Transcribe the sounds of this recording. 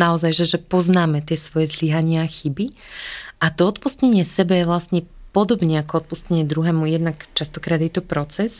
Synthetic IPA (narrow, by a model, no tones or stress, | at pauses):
naɔzajʒɛʒɛpɔznaːmɛt̪ɪɛsʋɔjɛzliɦaɲɪaːxibi | ʔat̪ɔɔt̪pustɲɛɲɪɛsɛbɛjɛʋlasɲɛpɔd̪ɔbɲɛakɔɔt̪̚puscɲɛɲɪɛd̪ɾuɦɛːmujɛd̪nakt͡ʃast̪ɔkɾaːd̪jɛt̪ɔpɾɔt͡sɛs